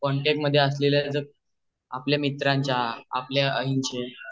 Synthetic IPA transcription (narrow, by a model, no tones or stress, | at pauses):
kɔɳʈek̚ʈməd̪ʱːjeəsleljad͡zəɡ̚ | apljamit̪ɾãɲt͡ɕjaa̰pljeəɦiɲt͡ɕe